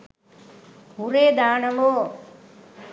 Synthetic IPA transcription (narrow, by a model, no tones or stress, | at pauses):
huɾeːd̪aːnɐʋoː